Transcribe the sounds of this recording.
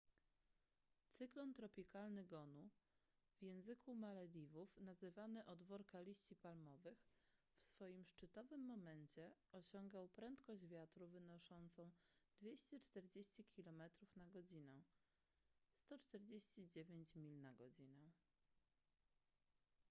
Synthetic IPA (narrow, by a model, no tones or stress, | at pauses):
t̪sɘklɔnt̪ɾɔpʲikalnɘɡɔnu | vjɛ̃w̃zɘkʰumalɛd̪ʲivufnazɘvanɘʔɔd̪vɔɾkalʲiɕt͡ɕipalmɔvɘx | fsfɔjimʂt͡ʂɘt̪ɔvɘmːɔmɛnt͡ɕɛɔɕɔŋɡawpɾɛnt̪kɔʑd͡ʑvʲjat̪ɾuvɘnɔʂɔnt̪sɔ̃w̃d̪̥vʲjeɕt͡ɕɛt͡ʂt̪ɛɾd͡ʑeɕt͡ɕikʲilɔmɛt̪ɾufnaɡɔd͡ʑinɛ | st̪ɔt͡ʂt̪ɛɾd͡ʑeɕt͡ɕid͡ʑevʲjeɲt͡ɕmʲilnaɡɔd͡ʑinɛ̃